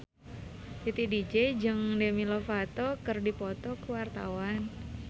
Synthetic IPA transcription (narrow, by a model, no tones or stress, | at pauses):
t̪it̪idid͡ʒed͡ʒɨŋdemilofat̪ɔkərdipɔt̪ɔkuwart̪a̰wan